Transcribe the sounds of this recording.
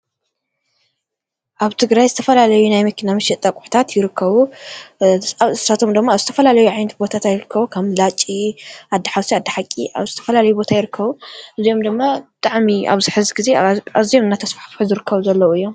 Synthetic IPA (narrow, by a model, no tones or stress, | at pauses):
ʔaβt̪ʰɨɡɾajzɨt̪ʰɐfɐlalɐjunajmɐkʰɨnamɨʃiʔt̪ʼɐkʼu̥ħt̪ʰat̪jɪɾɨkʰːɐβu | aβɨssat̪ʰo̞md̪ɨmːaːβzɨt̪ʰɐfɐlalɐjuʕajnɐt̪̚bo̞t̪ʰat̪ajɪɾɨkʰːɐβukʰɐmlat͡ʃʼːiʔad̪ːiħawsiad̪ɐħakʼːiʔa̰βzɨt̪ʰɐ̥fɐlalɐjubo̞t̪ʰajɪɾɨkʰːɐβuʔɨzijo̞md̪ɨmːabɨt̪ʼaʕmia̰βzɨħɨzɡize̞aβzijomɨnːat̪ʰɐsfḁħfħuzɨɾɨkʰːɐβuzɐlːɐwuɨjːo̞m